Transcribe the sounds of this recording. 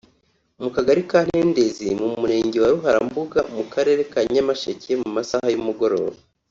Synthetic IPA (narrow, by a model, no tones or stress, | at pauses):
mukaɡaɾikaːn̥he̞ːnde̞zimumuɾe̞ːɲɟewaɾuɦaɾambuɡamukaɾe̞ɾe̞kaɲamaʃecemumasahajumuɡo̞ɾo̞̰ːβa